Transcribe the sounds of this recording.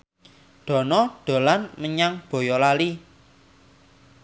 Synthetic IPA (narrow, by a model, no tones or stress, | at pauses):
ɖ̪̥ɔ̤nɔɖ̪̥o̤lanməɲaŋb̥ɔ̤jɔlali